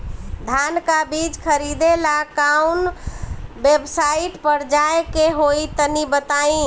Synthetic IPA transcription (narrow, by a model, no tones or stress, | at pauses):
d̪ʱankabid͡ʒkʰəɾid̪elakan | bebsaiʈpəɾd͡ʒajkeɦoit̪ənibət̪aĩ